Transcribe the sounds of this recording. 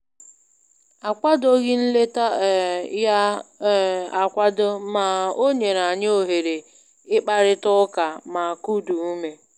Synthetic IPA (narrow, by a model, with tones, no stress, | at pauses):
a˨kʷa˦do˦ɣɪ˦n̩˦le˦ta˦˨ja˦ | a˨kʷa˦do˦ma˨o˦ɲe˨na˨ɲ˦o˨ɦe˨ɾe˨ | ɪ˦k͡pa˦ɾɪ˦tʊ˦ka˨ma˨ku˦du˨u˦me˦